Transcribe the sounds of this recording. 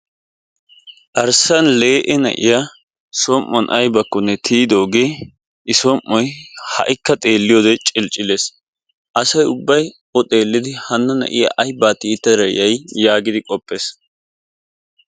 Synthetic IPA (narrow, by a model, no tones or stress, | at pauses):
ʔɐɾsɐnle̞ːʔɛnɐ̰ʔɪ̰ja | sɔmʔːɔnʔɐjbɐkːɔnːɛt̪ʰiːd̪o̞ːɡe̞ː | ʔɪsɔmːɔjhɐ̰ʔɪkːɐt̪ʼe̞ːlːɪjoːd̪ɛt͡ʃʼɪlt͡ʃʼːɪleːs | ʔɐsɐjʊbːɐj | ɔt̪ʼe̞ːlːɪd̪ɪhɐnːɐnɐ̰ʔɪ̰ja̰ʔɐjbaːt̪ɪːt̪ːɐd̪ɾɐjɐjjaːɡɪd̪ɪkʼɔpʼːeːs